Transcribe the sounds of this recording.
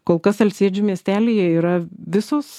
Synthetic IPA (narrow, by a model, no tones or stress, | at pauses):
koːlˠkɐsɐlʲsʲiɛd͡ʒʲʊmʲiɛsʲt̪ʲæːlʲeːjɛiːɾɐʋʲɪsoːs